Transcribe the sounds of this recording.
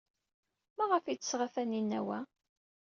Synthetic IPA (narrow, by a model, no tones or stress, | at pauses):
mæʁəfit͡sːə̥sʁafæninːæ̰wæ